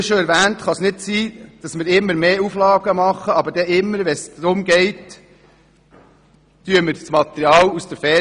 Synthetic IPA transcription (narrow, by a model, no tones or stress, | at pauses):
ʃɔɛɾʋæːntχɑsnɪtsiːd̥ɑsmɪɾɪmːəɾmeːuflɑːɡəmɑχːəɑbəɾdɛɪmːəɾʋɛsd̥ɾʊmɡɛɪt | tyəməɾsmɑt̪əɾiɑːlusd̥̪əɾfɛ